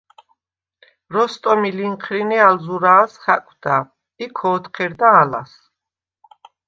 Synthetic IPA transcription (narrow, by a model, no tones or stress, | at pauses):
ɾɔst̪ʼɔmiliŋqʰɾinialzuɾaːsχakʼd̪a | ikʰɔːt̪qʰɛɾd̪aːla̰s